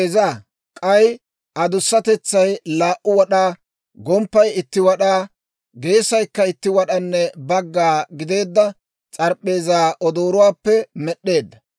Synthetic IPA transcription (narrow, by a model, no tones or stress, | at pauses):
zaː | kʼɐj | ʔɐd̪ʊsːɐt̪ɛt͡sːɐjlaːʔʊwɐɗaː | ɡɔmpːɐjɪt̪ːɪwɐɗaː | ɡe̞ːsɐjkːɐɪt̪ːɪwɐɗɐnːɛbɐɡːaːɡɪd̪e̞ːd̪ːɐ | t͡sʼɐɾpʼːe̞ːzaːʔɔd̪oːɾʊwaːpːɛmɛɗːe̞ːd̪ːɐ